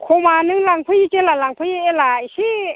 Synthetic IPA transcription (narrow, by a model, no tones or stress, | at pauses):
kʰomanɯŋlaŋpʰɯjit͡ʃelalaŋpʰɯjielaiɕi